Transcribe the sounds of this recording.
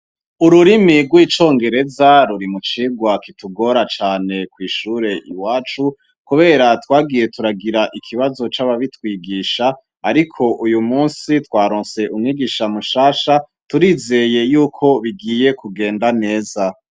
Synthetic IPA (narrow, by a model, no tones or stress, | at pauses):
uɾuɾimiɡwiːt͡ʃo̞ːŋɡe̞ɾe̞zaɾuɾimut͡ʃiːɡwakituɡo̞ɾat͡ʃaːne̞kwiːʃuːɾe̞ʔiwaːt͡ʃu | kuβe̞ːɾatwaːɡiːje̞tuɾaɡiɾaʔikʰiβazo̞t͡ʃaβaβitwiːɡiːʃaː | ɾikʰo̞ʔujumuːnsitwaːɾoːnse̞ʔumŋiɡiːʃamuʃaːʃa | tuɾiːze̞je̞juːkʰo̞βiɡiːje̞kuɡe̞ːndane̞ːza